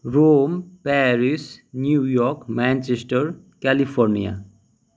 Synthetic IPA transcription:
ɾoːmpɛːɾɪsnjuːjɔːɾkmɛ̃ːnt͡ʃesʈəɾ | kɛlifʰɔːɾnḭja̰

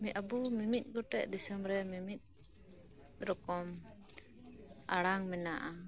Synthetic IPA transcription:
miʔabumimit̪̚ˀɡɔʈɛʔd̪isɔmɾɛmimit̪̚ | ɾɔkɔm | aɽaŋmɛnaʔa

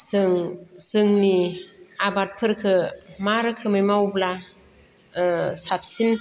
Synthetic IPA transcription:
sɯŋsɯŋniabat̚pʰɯɾkʰɯmaɾɯkʰɯmajmawbla | sap̚sin

